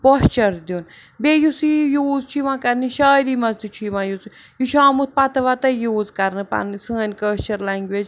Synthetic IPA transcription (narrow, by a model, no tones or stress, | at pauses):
post͡ʃɐɾd̪un | bejusijuːzt͡ʃʰiʋãːkɐɾniʃaːjɾiːmɐzt̪it͡ʃʰiːʋãːjut͡s | juʃʰaːmut̪̚pɐt̪ɐʋat̪ɐjoːzkɐɾnɨpɐ̰nsɨːnʲkəːst͡ʃɐɾlaŋɡʲʋed͡ʒ